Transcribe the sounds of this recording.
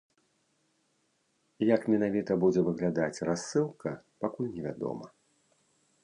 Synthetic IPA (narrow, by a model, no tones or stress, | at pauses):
jɐkmʲɛnavʲit̪ɐbud͡zʲɛvɨɣlʲad̪at͡sʲrasːɨlˠkɐpakulʲnʲɛvʲa̰d̪ɔ̰mɐ